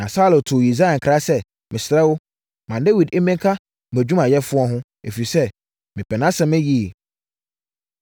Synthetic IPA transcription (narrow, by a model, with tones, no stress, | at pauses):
nã˨sa˦lõ˨tʰʊ˨i˨za˦ɛ̃˨ŋ˨kʰɾa˦sɛ˦ | mɪ̃˨sɪ˨ɾɛ˦wʊ˦ | mã˨nde˦wi˨de˦mɛ̃˦ŋ˦kʰa˦˨ | æ˨d͡ʑᶣu˦mã˨jɛ˦fʊ˦ɔ˦ɦʊ̃˦ | e˨fi˨i˨sɛ˦ | mɪ̃˨pʰɛ˨nã˦sɛ̃˨mɪ̃˦ji˦e˨